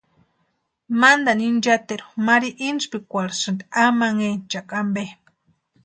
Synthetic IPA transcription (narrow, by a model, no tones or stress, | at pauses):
mand̪anind͡ʒat̪eɾumaɾiʔinspikʷaɾsɨnd̪amaŋent͡ʃakʼambe